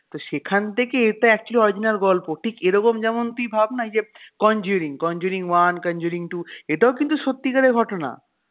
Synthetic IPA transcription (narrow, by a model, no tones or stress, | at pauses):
t̪oʃekʰant̪ʰekeeʈaɛk̚t͡ɕuoliɔɾid͡ʑinaɾɡɔlpoʈʰikeɾɔkomd͡ʑɛmont̪uibʱabnad͡ʑekɔnd͡ʑuɾiŋkɔnd͡ʑuɾiŋwankɔnd͡ʑuɾiŋʈueʈaokint̪uʃot̪ːikaɾeɾɡʱɔʈona̰